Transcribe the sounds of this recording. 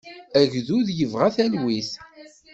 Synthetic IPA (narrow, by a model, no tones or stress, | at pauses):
æʝðuðjəvʁæθælwiθ